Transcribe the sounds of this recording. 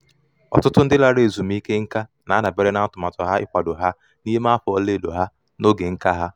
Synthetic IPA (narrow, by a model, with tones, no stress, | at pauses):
ɔ̰˨tʊ˦tʊ˦n̩˦dɪ˦la˦ɾe˨e˨zu˨m̩˦i˦ke˦ŋ̩˦ka˦ | na˨˦na˨be˦ɾe˦na˦tʊ˨ma˨tɔ˨ɦa˦ɪ̰˦kʷa˨do˨ɦa˦ | ni˦ɦe˦ma˦fʊ˨˦ɔ˦le˦˨do˨ɦa˦ | no˦ɡe˨ŋ̩˦ka˦ɦa˦